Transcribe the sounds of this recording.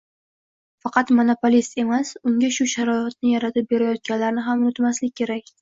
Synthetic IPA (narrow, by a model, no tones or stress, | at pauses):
fɑqʰɑt̪monopolist̪e̞masʊŋɡʲaʃʊʃaɾɒɪt̪̚nɪjaɾat̪ʰɪp̚be̞ɾajɒt̪̚ɡʲanlaɾɪnɪɦamʊnɪt̪maslɪkʲːʰe̞ɾakʲ